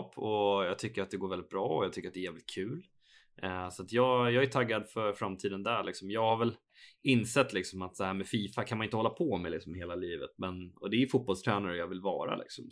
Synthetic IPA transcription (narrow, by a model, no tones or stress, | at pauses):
pʰːɔjɑːt̪ʰʏkːəɾat̪̚d̪ɛɡoːvɛlɪt̪bɾɑːɔjɑt̪ʰʏkːəɾat̪d̪ɛɾjæːvlɪt̪kʰʉ̟ːl | sat̪jɑːɡjɑːɡæt̪ʰaɡːad̪fœɾfɾamt̪ʰiːd̪ənd̪æɭɪksɔmjɑːɡhaɾvɛl | ɪnːsɛt̪ːlɪksɔmat̪sɛhæːɾmɛfiːfakʰanmanɪnt̪əhɔlːapʰɔmɛlɪksɔmheːlaliːvə̰t̪̚mɛnɔd̪ɛæjfʊt̪̚bɔlst̪ʰɾɛːnaɾəjɑːvɪlvɑ̰ːɾa̰lʔɪ̰ksɔm